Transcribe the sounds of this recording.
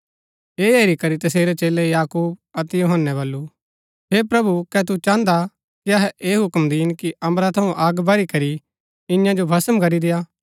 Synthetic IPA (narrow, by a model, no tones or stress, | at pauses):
eːeːɾikɐɾit̪ɐseːɾɛt͡ʃeːlɛjaːkuːb̚ɐt̪ɛjuɦənːɛbɐlːu | ɦeːpɾɐbukɛt̪̬ut͡ʃãːnd̪a | kiɐɦɛʔeːɦʊkəmd̪iːnkiʔɐmɾat̪ʰɐũʔaːɡbɐɾikɐɾi | ɪ̃jãd͡ʒobʱɐsəmkɐɾid̪ɪjaː